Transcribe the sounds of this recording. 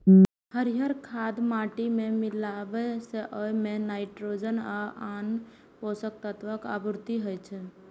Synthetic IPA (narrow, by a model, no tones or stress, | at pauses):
həɾiɦəɾkʰad̪maʈimemilabɛseʔɔjmenaɪʈɾod͡ʒənaan | posək̚t̪ət̪ʰʋəka̰buɾt̪iɦəjt͡ʃʰɛ